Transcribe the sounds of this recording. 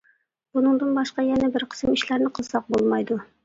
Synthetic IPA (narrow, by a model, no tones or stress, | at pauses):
bunɤ̆ɴd̪ɤnbɑʃqɑjænæbɘɾqʰə̥smiʃlæɾnɪqʰɤ̆zˠsɑq̚bolˠmɑjd̪ʊ